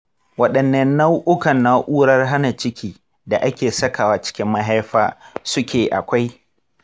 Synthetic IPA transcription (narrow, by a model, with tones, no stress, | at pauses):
wɐ˦ɗɐ˨nːɐ˦nːa˦wʔʊ˦kɐ˨nːa˦ʔuː˦ɽɐ˦rɦa˦na˨t͡ʃɪ˦kʲiː˨ | da˨ʔa˦kʲeː˨sɐ˦ka˨waː˦t͡ʃɪ̥˦kʲɪ˦mːɐ˦ɦa˦jɸa̰ː˦sʊ˦kʲeː˨ʔa̰˨kʷa˦j